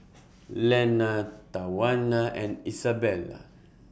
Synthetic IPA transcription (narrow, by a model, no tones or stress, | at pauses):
lɛnat̪awanaʔẽnisabɛla̰